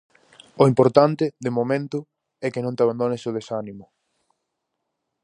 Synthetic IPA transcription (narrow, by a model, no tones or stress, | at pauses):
oimpoɾt̪ant̪ɪðemomẽnt̪ʊ | ɛkɪnõnt̪eaβand̪onesoð̞esanimʊ